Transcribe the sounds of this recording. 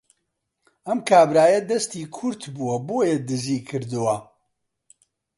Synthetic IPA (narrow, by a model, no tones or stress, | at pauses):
ʔɐmkʰaːbɾaːjɐd̪ɐst̪iːkʰʊɾt̪buwɐboːjɛd̪ɨziːkʰɨɾd̪uwɐ